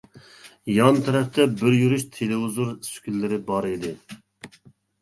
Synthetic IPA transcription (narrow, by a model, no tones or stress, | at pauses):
jɑnt̪ʰɛɾɛpt̪ʰɛbɪɾjyɾyʃt̪ʰelɪuzuɾsy̥kʲylːɪɾɪbɑɾid̪ɪ